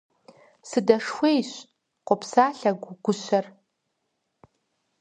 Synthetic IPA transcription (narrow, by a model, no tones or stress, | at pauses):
sɨdɐʂxʷejɕʷ | qʷʊpʰsaːɬɐɡʷʊɡʷʊɕʷɐr